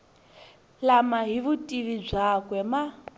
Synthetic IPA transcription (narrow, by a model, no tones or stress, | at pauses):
lamaɦiβutʼiβib͡ʐakwɛma